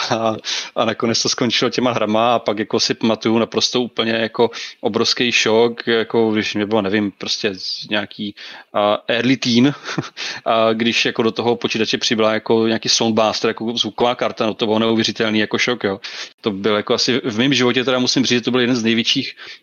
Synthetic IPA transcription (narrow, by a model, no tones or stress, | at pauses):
aʔanakonɛt͡st̪osko̞nt͡ʃɪlocɛmaɦɾamaapakjako̞sɪpamat̪ujunapɾo̞st̪oʔuːpl̩ɲɛjako̞ʔobɾofskɛjʃo̞kjako̞ɡdɪʃmɲɛbɪlonɛvɪmpɾoscʲɛɲaːkiː | ʔɛɾlɪt̪iːn | ʔɡdɪʃjako̞do̞t̪oɦopot͡ʃiːt̪at͡ʃɛpr̥ɪbɪlajako̞ɲaːkiːsonbaːst̪ɛɾajakozvukovaːkaɾt̪anot̪obɪlonɛuvjɛɾ̝ɪt̪ɛlniːjako̞ʃokjoːt̪o̞bɪljakoasɪvmɪmʒɪvocɛt̪ɛɾamusɪmriːd͡ʒɛt̪obɪljɛdɛnznɛjvjɛt͡ʃiːx